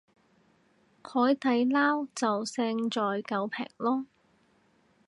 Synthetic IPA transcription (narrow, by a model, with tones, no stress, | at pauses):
kʰɔː˨˥jt̪ɐ˨˧jlaː˥wt͡sɐ˨wsɛː˧ŋt͡sɔː˨jkɐ˨˧wpʰɛ̰ː˨˩ŋ̚lɔː˥